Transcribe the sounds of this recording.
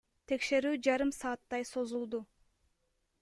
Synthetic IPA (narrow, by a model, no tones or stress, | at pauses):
t̪ʰe̞kʃe̞ɾyːd͡ʒɑɾɯmsɑːt̪ːɑjso̞zulˠd̪u